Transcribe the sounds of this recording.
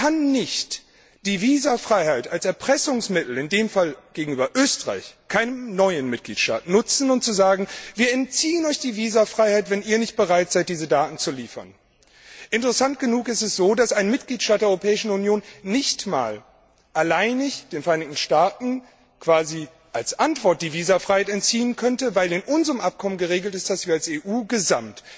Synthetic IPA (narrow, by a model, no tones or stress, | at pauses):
kʰanːɪçt | d̥iːviːzafʁ̥aɪhaɪtalsɛɐpʁ̥ɛsʊŋsmɪtl̩ɪndeːmfalɡ̥eːɡŋ̩yːbɐʔøːstəʁa̰ɪçkʰaɪnəmnɔʏənmɪt̚ɡ̥lḭːtʃta̰ːtnʊt͡sn̩ʊnt̚t͡suzaːɡŋ̩viːɐɛntt͡siːənɔʏçd̥iːviːzafʁ̥aɪhaɪtv̥ɛniːɐnɪçt̚b̥əʁaɪtz̥aɪt̚d̥iːzədaːtn̩t͡suliːfɐ̰n | ʔɪntəʁɛsant̚ɡ̥ənuːkɪstɛsz̥oːdasaɪnmɪt̚ɡ̥liːtʃtaːtd̥eːʔɔʏʁopʰɛːɪʃn̩unjoːnːɪçtma̰ːl | ʔalaɪnɪçd̥eːnfɛɐaɪnɪçtn̩ʃtaːtn̩ | kv̥aːzi | ʔalsʔantv̥ɔɐt̚d̥iːviːzɐfʁ̥aɪhaɪtɛntt͡siːənkʰœntəvaɪlɪnʔʊnzəʁəmʔap̚kʰɔmənɡəʁeːɡl̩tɪst̚d̥asv̥iːɐalseːʔuːɡəzamt